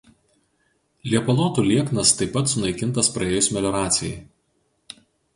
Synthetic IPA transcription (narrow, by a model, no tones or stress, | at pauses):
lʲiɛpɐlˠɔːt̪uːlʲiɛknɐst̪ɐɪpːɐt̪sʊnɐɪkʲɪnˑt̪ɐspɾɐeːjʊsʲmʲɛlʲɔɾɑːt̪sʲɪjɛ̰ɪ